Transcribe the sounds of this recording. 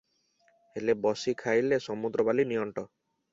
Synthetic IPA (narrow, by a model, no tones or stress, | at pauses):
elebɔsikʰajlesɔmud̪ɾɔbalinijɔɳʈɔ